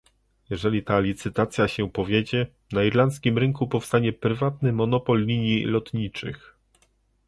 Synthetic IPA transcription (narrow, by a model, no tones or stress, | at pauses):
jɛʐɛlʲit̪alʲit̪sɘt̪at̪sʲjaɕɛpɔvʲjed͡ʑɛ | naiɾlant̪skʲimɾɘŋkupɔfst̪aɲɛpɾɘvat̪nɘmɔnɔpɔlːʲiɲjilɔt̪ɲit͡ʂɘ̰x